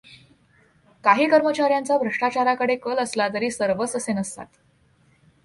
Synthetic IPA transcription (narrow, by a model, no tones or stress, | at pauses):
kaɦiːkəɾmət͡ɕaɾjãnt͡sabʱɾəʂʈat͡ɕaɾakəɽekələslat̪̬əɾiːsəɾʋəsəsenəst̪a̰t̪